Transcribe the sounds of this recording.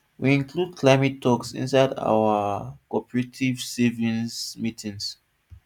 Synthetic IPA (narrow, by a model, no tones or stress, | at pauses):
wiĩnklud̚kʰlaɪmɛtʰːɔksḭ̃nsaɪda̰wəkɔpəɹetʰivsivĩnsmitʰĩŋs